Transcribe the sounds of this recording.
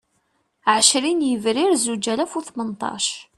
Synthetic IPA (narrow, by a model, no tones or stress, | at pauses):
ʕəʃɾinjəvɾiɾzud͡ʒælæfuθmənt̪ˤɑ̰ʃ